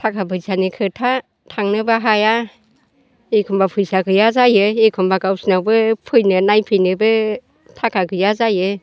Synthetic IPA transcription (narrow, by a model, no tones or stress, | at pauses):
tʰakʰabʰɯjsʰanikʰɯtʰa | tʰaŋnɯbaɦaja | ekʰɔmbapʰɯjsakʰɯjazajɯekʰɔmbaɡawsnabɯpʰɯjnɯnajpʰɯjnɯbɯ | tʰakʰakʰɯjazajɯ